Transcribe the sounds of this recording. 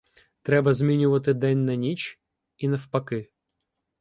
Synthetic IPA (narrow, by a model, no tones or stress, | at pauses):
t̪ɾɛbɐzmʲinʲɪvɐt̪ɨd̪ɛnʲnɐnʲit͡ɕ | inɐfpɐkɨ